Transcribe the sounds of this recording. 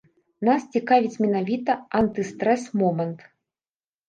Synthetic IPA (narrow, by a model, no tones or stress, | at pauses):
nast͡sʲikavʲit͡sʲmʲɛnavʲit̪ɐant̪ɨst̪ɾɛsmɔmɛnt̪